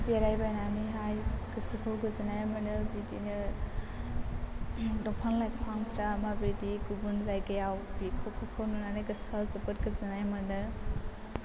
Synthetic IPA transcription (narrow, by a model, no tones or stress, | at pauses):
bɾajbajnaniɦajɡ̥ɯsɯkʰɯwɡɯzinajamɯnɯbidḭnɯ | dɔpʰanlajpʰanpʰɾamabediɡubunzajɡajawbikʰopʰɔpʰownunanɯɡɯsazɯpɯt̚ɡɯzɯnajmɯnɯ